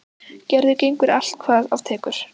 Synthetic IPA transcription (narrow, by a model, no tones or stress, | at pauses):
cɛɾðʏcejŋkʏɾal̥t̪̚kʰvaːðav̥t̪ʰɛːkʏɾ̥